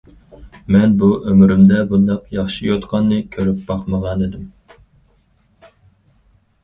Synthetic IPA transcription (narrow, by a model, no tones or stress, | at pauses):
mɛnbuʔømyɾymd̪ɛbund̪ɑqjɑχʃijot̪qʰɑnːɨkʲʰøɾyp̚b̥ɑqməʁɑned̪ɪm